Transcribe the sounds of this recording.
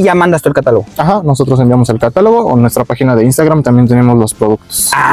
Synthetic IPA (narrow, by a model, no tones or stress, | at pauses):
ʝamãnd̪ast̪uekat̪aloɣoaxano̞s̬o̞t̪ɾo̞s̬embjamo̞se̞lkat̪alo̞ɣonwe̞st̪ɾapaxinaðeinst̪aɣɾamt̪ambjent̪e̞ne̞mo̞zlo̞spɾoðukt̪o̥s